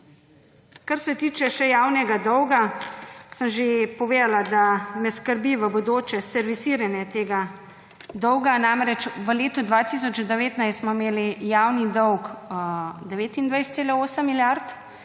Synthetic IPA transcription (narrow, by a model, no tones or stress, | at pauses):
kaɾsɛt̪iːt͡ʃɛʃɛjaːwnɛɡad̪ɔwɡasəmʒepɔʋeːd̪alad̪amɛskəɾbiʋəbod̪oːt͡ʃɛsɛɾʋisiːɾanjɛt̪eːɡa | d̪ɔwɡanamɾɛt͡ʃʋəleːt̪ud̪ʋat̪is̬ɔt͡ʃd̪ɛʋeːt̪najst̪smɔimeːlijaːwnid̪ɔwk | d̪ɛʋeːt̪ind̪ʋajst̪seːlaoːsəmːiljaɾt̪